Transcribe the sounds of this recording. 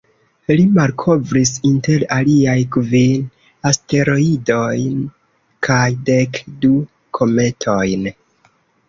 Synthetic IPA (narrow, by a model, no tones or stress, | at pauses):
limalkʰo̞vɾis̬inte̞ɾaliajkvin | aste̞ɾo̞ido̞jn | kʰajde̞kdu | kʰo̞me̞tʰo̞jn